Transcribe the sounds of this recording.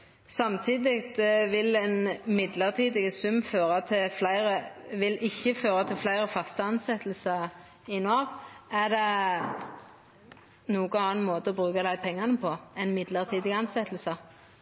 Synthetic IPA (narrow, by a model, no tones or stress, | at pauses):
sɑmt̪ʰiːd̪ɪɡt̪ʋɪlɛnmɪd̪ləʁt̪ʰiːd̪ɪɡəsʉmːføːʁɑt̪ʰɪflæɪʁəʋɪlʔɪçːəføːɾɑt̪ʰɪlflæɪʁəfɑst̪əɑnsɛt̪l̩sɑ | ɪnuɑʋæd̪ɛ | nuːɡəɑːnmoːt̪əɔbʁʉːkɑd̪æɪpʰɛŋːɑnəpʰɔɛnmɪd̪ləʁt̪ʰiːd̪ɪɡɑnsɛt̪l̩sə